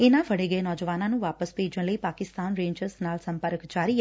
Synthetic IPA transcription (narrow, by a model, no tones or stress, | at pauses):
enaʋʱəɽeɡəenɔːd͡ʒəʋaːnanũʋaːpəspeːd͡ʒə̃ləipaːkɪst̪aːnɾẽːɲd͡ʒəɾsnaːlsəmpəɾəkd͡ʒaːɾi